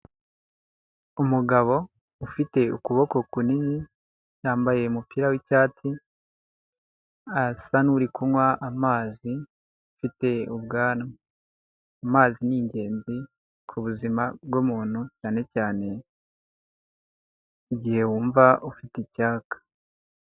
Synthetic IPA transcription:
umuɡaβo̞ | ufite̞ukuβo̞ko̞kunini | caːmbaje̞umupiːɾawicaːt͡si | asanuɾikuwaʔamaːzi | ufite̞uβ̚ɡaːna | amaːziniːɲɟe̞ːnzi | kʰuβuzimabɡomuːn̥hucaːne̞caːne̞ | iɟihe̞wuːɱvaʔufiticaːkḁ

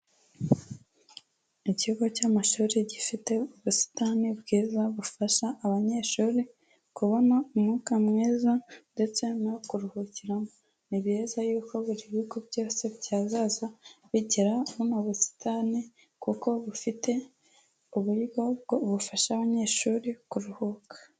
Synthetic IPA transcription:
icihuɡo̞caːmaʃuːɾiɟifite̞uβusi̥tanibɡiːzaβufaʃaːβaɲe̞ːʃuːɾi | kuβanaumŋuːkamŋiːzande̞t͡se̞nakuɾuhuciɾamo | niβjiːzajuːko̞βuɾiβiɡo̞bɟo̞ːse̞βɟaːzaːzaβiɟiɾaβunaβusi̥tʰani | kuko̞βufite̞ | uβuiɡo̞bɡoβufaʃaβaɲe̞ːʃuːɾikuɾuhukḁ

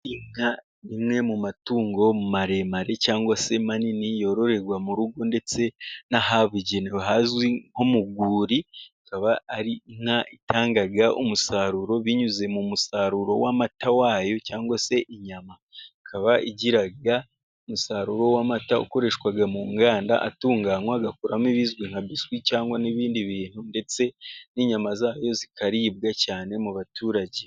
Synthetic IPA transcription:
iŋa | nimŋe̞mumatuːŋɡo̞mumaɾe̞maɾe̞caːŋɡwase̞maninijo̞ɾo̞ɾe̞ɾɡwamuɾuɡo̞nde̞t͡se̞naɦaβuɟeneɦazwiŋ̥o̞muɡuːɾiakaβaːɾiŋaʔitaːŋɡaɡaumusaːɾuɾo̞βiɲuze̞mumusaɾuɾo̞̰wamatawaːjo̞caːŋɡwase̞ʔiɲamakʰaβaʔiɟiɾaɡa | omusaːɾuɾo̞wamataṵko̞ɾe̞ʃwaɡamuŋɡaːnda̰ʔa̰tuːŋɡaːŋwaɡakuɾamiβizɡwiŋhaβizɡwicaːŋɡwaniβiːndiβiːn̥hunde̞t͡se̞niɲamazaːjo̞zikaɾiːβɡacaːne̞muβatuːɾaɟe

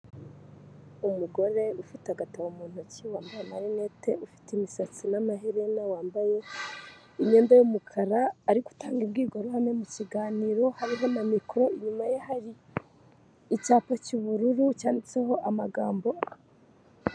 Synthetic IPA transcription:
umuɡo̞ɾe̞ufitaɡatawomuːn̥huciwaːmbajemaɾeneteufi̥timisat͡sinamaɦeɾenawaːmbaje̞ | iɲɲeːndajomukʰaɾaːɾiɡu̥taːŋɡibɡiːɡoɾuhamemuciɡaːniɾo̞haβiɦamamikɾo̞iɲumajehaɾi | caːpacuβuɾuɾucaːndit͡seho̞ʔamaɡaːmbo̞

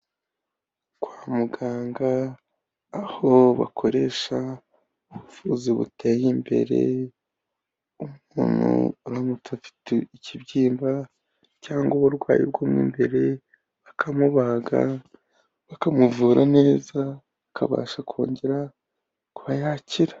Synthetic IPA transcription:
kwaːmuɡaːŋɡaː | ho̞βa̰kʰo̞ɾe̞ːʃa | uβufuziβṵteːjimbe̞̰ɾe̞̰ | umuːnṵnamutʰafi̥teicibɟiːmba | caːŋɡoβuɾɡwa̰ːjḭɾɡomwḭːmbe̞ɾe̞ | βakʰamuβaɡa̰ | βakamuvuːɾʔa̰ne̞ːzaβakʰa̰βa̰ːʃakʰo̞̰ːɲɟe̞ɾa | kuβajaːciɾḁ

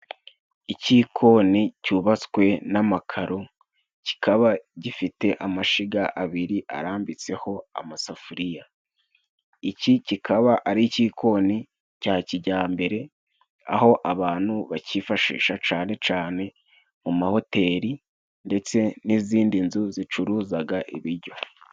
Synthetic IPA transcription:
icikʰo̞ːnicuːβat͡skwe̞namakʰaɾo | ci̥kʰaβaɟifite̞ʔamaʃiɡaʔaβiɾiʔa̰ɾaːmbit͡se̞ho̞a̰masafuɾija | icicikʰaβaʔaɾiciːko̞ːni | caːciɟaːmbe̞ɾe̞ | a̰ho̞ʔaβaːn̥huβacifaʃḭːʃat͡ʃaːne̞t͡ʃaːne̞ | mumaho̞te̞ːɾi | nde̞t͡se̞niziːndinzuzit͡ʃuɾuːzaɡaʔiβiɾɟo̞

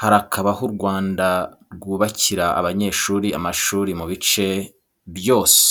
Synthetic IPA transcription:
haɾakʰaβahuɾɡwaːndaɾɡuːβaciɾaa̰βaɲe̞ːʃuːɾia̰maʃuːɾimuβit͡ʃe̞ | βjo̞ːse̥

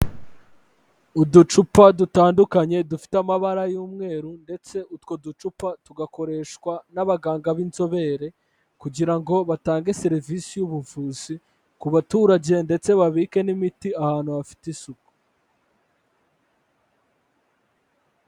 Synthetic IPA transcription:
udut͡ʃupadutaːndukaɲe̞dufi̥tamaβaɾajuːmŋe̞ːɾunde̞t͡se̞ʔutwo̞dut͡ʃupatuɡako̞ɾe̞ːʃkwanaβaɡaːŋɡaβinzo̞βe̞ɾe̞ | kuɟiɾaŋɡo̞βataːŋɡe̞se̞ɾivisijuβuvuːzi | kuβatuːɾaɟe̞nde̞t͡se̞βaβike̞nimitiahaːn̥huβafi̥tisuku̥

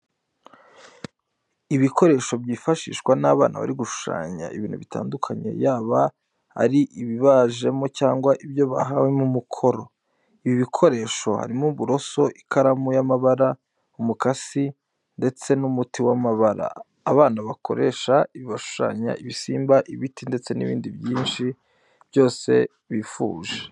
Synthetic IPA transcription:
iβiko̞ɾe̞ːʃo̞bjiːfaʃḭːʃkwanaβa̰ːnʔa̰βa̰ɾiɡuʃu̥ʃa̰ːɲa̰iβiːnhuβita̰ːndukʰaɲe̞̰jaːβa | a̰ɾiʔiβiβaʒe̞mo̞caːŋɡwaʔibjo̞βaɦawemumukʰo̞ɾo̞ | iβiβikʰo̞ɾe̞ːʃo̞ha̰ɾimuβuɾo̞so̞ʔikʰaɾamujamaβaɾa | umukasi | nde̞t͡se̞numutiwamaβaɾa̰ː | βaːnaβakʰo̞̰ɾe̞ːʃaiβiβaʃu̥ʃa̰ɲa̰iβisiːmbaʔiβitinde̞t͡se̞nḭβḭːndiβjiːnʃi | β̥jo̞ːse̞̰ | βifṵːʒe̥

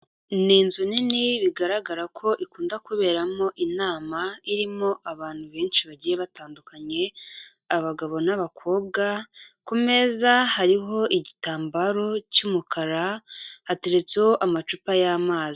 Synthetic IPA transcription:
niːnzuniniβiɡaɾaɡaɾakʰo̞ʔikuːndakuβe̞ːɾamo̞ʔinaːmaiɾimo̞ʔaβaːn̥huβeːnʃiβaɟiːje̞βataːndukaɲe̞ | aβaɡaβo̞naβakʰo̞ːβ̚ɡakume̞zahaɾiɦo̞ʔiɟitaːmbaɾo̞cumukʰaɾahate̞ɾe̞t͡se̞ho̞ʔamat͡ʃupajaːmaːzi

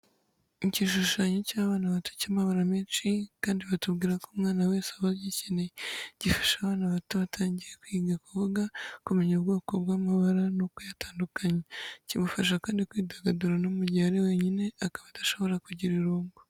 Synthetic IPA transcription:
iciʃuʃaːɲocaːβaːnaβatu̥caːmaβaɾameːnt͡ʃikaːndiβatuβɡiːɾakomŋaːnawe̞ːsaβajecineɟifḁʃaːβaːnaβatuβatʰaːɲɟiɾekwiːɡakuβuɡakumeɲobɡo̞ːko̞bɡwaːmaβaɾanokujataːndukaɲacimufaʃakaːndikwiːdaɡaduɾanomuɟaːɾewe̞ɲine̞akaβataʃo̞βo̞ɾakuɟiɾiɾuːmɡo

